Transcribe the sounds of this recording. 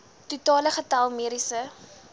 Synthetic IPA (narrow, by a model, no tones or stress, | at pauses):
tutɑːləχətɐlˠmiɾisə